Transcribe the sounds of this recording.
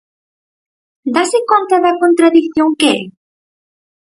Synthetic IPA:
d̪asɪkont̪ɐðɐkont̪ɾaðikθjoŋkeɛ

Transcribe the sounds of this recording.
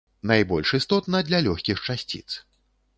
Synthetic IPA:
najbɔlʲʂist̪ɔt̪nɐd̪lʲɐlʲɔxʲkʲixt͡ʂasʲt͡sʲḭt̪s

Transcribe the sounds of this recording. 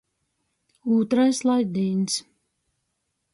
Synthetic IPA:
uːt̪ɾajslˠajd̪iːns

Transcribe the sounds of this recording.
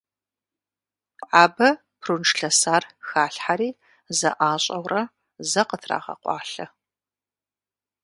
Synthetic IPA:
ʔaːbɐ | pʰrunʈ͡ʂɬɐsaːrxaːɬħaɾiː | zɐ̰ʔaːɕʼɐwrɐ | zɐqətʰra̰ːʁɐ̰qʷɑ̰ːɬɐ

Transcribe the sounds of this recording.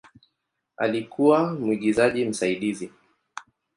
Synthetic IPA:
a̰likuwam̩iɠizaʄim̩saiɗizi

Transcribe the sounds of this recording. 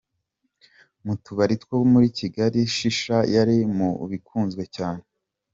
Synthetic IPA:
mutuβaɾitwowmuɾiciɡaɾiʃiʃajaɾimṵβikʰuːnzɡwe̞caːne

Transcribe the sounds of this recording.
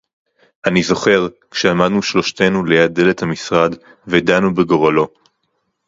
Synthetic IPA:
ʔanizo̞χe̞ʁkʃeamad̪nuʃlo̞ʃt̪e̞nule̞jad̚dːe̞le̞thamisʁad | ved̪anubeɡo̞ʁalo̞

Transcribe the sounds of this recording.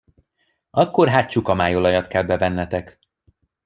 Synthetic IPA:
ɒkːo̞rɦaːt̪t͡ʃukɒmaːjolɒjɒt̪kɛlbɛvɛnːɛt̪ɛk

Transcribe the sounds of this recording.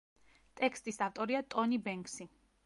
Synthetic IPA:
t̪ʼɛkst̪ʼisaft̪ʼɔɾiat̪ʼɔnibɛŋksi

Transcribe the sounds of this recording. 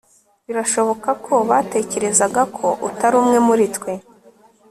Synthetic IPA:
βiɾaʃo̞βo̞kakʰo̞βaːte̞ce̞ɾe̞zaɡakʰo̞ʔutaɾuːmŋe̞muɾitwe̞

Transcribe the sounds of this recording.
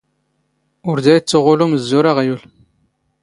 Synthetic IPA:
ʊɾd̪æjt͡sːəʁʊluməzːuɾaʁæjul

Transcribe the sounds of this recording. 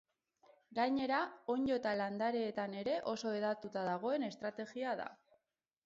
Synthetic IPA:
ɡajɲe̞ɾao̞ɲd͡ʒo̞et̪aland̪aɾeːt̪ane̞ɾe̞ʔo̞so̞e̞ðat̪ut̪aðaɣ̞o̞e̞ne̞st̪ɾat̪e̞ɣiaða̰

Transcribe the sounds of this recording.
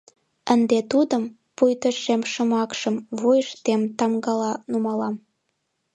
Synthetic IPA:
ənd̪et̪ud̪əm | pujt̪əʃemʃə̆mɑkʃəmβojəʃt̪emt̪ɑmɡɑlɑnumɑlɑm

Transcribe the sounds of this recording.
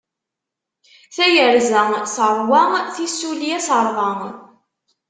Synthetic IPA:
θæjəɾzəsəɾˤwæŋθisːuliæsəɾˤðɑŋ

